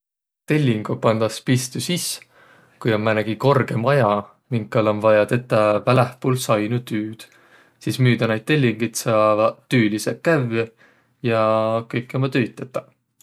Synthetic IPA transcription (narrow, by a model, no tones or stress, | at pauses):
t̪e̞lʲːiŋɡ̥upɑnd̪̥ɑspist̪usis | kujo̞nmænæɡ̥iko̞rɡ̥e̞mɑjɑ | miŋkːɑlonvɑjɑt̪e̞t̪ːˑɑpælæhpulsɑjnut̪yːd̪̥ | siːsmyːd̪̥ɑnejd̪̚t̪elʲːiŋɡ̥ɤjt̪sɑvɑyːlisekːæve | jɑkɤjkːˑemɑt̪yjt̪ːˑet̪ːˑɑ̥